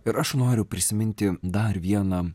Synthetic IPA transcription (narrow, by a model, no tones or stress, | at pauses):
ɪɾɐʃnoːɾʲʊpʲɾʲɪsʲɪmʲɪnʲt̪ʲɪd̪ɐɾʋʲiɛnɑ